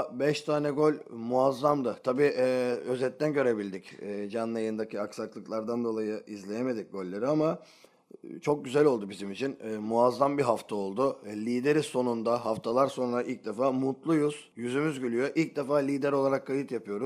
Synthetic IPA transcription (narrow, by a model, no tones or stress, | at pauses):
bɛʃt̪ʰaːnɛɡo̞lʲmuazːamd̪ɯt̪ʰabiːʔɛø̞zɛt̪ːænɟø̞ɾe̞bilʲd̪icːd͡ʒanlːˠajɯnd̪acʰiaksaklˠɯklˠaɾd̪and̪o̞lˠajɯʔizlʲe̞jeme̞d̪ic̚ɡ̥o̞lʲːe̞ɾiama | t͡ʃʰo̞k̚ɟyzælʲo̞lˠd̪ubizimit͡ʃʰinːmuazːambiɦaft̪ʰao̞lˠd̪ʊlʲiːd̪e̞ɾiso̞nund̪aɦaft̪ʰalˠaɾso̞nɾaʔilʲc̚d̪efaːmut̪lˠujuz̥jyzymyzɟylʲyjo̞ʔilʲc̚d̪efaːlʲiːd̪æɾo̞lˠaɾakʰːajɯt̪japɯjo̞ɾuz̥